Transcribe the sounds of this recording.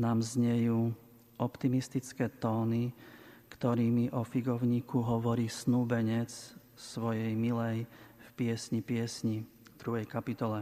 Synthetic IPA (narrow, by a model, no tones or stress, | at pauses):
naːmzɲɛjuː | ʔɔpt̪imist̪it͡skɛːt̪ɔːnikt̪ɔɾiːmiʔɔfiɡɔʊɲiːkʰuɦɔʋɔɾiːsnuːbɛɲɛt͡s | sʋɔjɛjmilɛjfpɪɛsɲipɪɛsɲi | d̪ɾuɦɛjkapit̪ɔlɛ